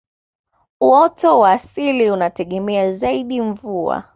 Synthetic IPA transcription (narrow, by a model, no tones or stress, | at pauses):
uɔtɔwaːsiliunatɛɠɛmɛazaiɗiɱvua̰